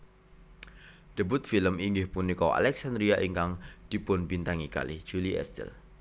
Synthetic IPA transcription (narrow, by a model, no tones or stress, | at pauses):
d̥əbʊt̪̚filəmiŋɡɪhpʊnːikoa̰lɛksand̪ɾiaʔiŋkaŋd̥ipʊnbint̪aŋika̰lɪhd͡ʒ̥uliʔɛ̰st̪ə̰l